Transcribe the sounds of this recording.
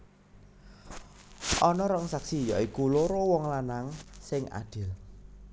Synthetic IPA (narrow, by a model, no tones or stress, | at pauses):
ʔɔnɔɾəŋsaksijɔikuloɾowɔŋlanaŋsɪŋa̰ɖ̥ɪ̤l